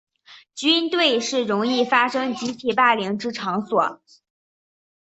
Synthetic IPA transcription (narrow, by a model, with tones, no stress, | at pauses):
t͡ɕy˥nt̪we˥˩ɪʂɻ̩˥˩ɻʊ˧˥ŋi˥˩fa˥ʂɤ˥ŋt͡ɕi˧˥t̪ʰi˨˩pa˥˩li˧˥ŋʈ͡ʂɻ̩˥ʈ͡ʂʰɑ˧˥ŋswɔ˨˩˦